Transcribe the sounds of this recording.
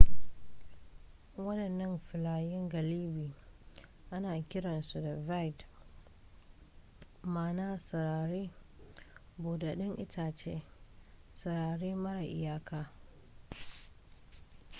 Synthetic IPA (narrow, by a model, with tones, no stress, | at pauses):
wɐ˦ɗɐ˨nːɐ˦mɸɪ˨laː˨jɪ˦ŋɡɐ˨liː˦biː˨ | ʔa˦naː˨kʲɪ˦ɽɐ˨nsu˨da˨va˦˨jt | maː˨naː˦sɐ˨ɾaː˨ɾeː˦ | boː˨da˨ɗɪ˦ŋʔɪ˦tʰaː˨t͡ʃḛː˦ | sɐ˨ɾaː˨ɽeː˦mɐ˦ɽa˨ʔɪ˨jaː˦kaː˨